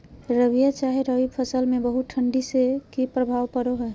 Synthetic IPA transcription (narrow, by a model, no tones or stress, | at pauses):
ɾəʋijat͡ʃaɦeɾəʋipʰəsəlmẽbəɦut̪̚ʈʰəɳɖisekipɾəbʱaːʋpəɾoɦɛ